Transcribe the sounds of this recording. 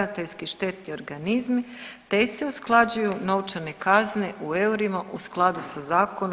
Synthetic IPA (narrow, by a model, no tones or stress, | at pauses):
at̪eʎskiʃt̪e̞t̪io̞ɾɡanizmit̪eseusklˠad͡ʑujuno̞wt͡ʃanekazneʔueuɾimaʔusklˠad̪usazaːkon